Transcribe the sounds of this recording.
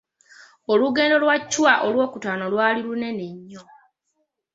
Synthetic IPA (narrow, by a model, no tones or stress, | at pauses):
oluɡe̞ːndo̞lwacːwaʔolwo̞ːkutaːnolwaːlilune̞neɲːo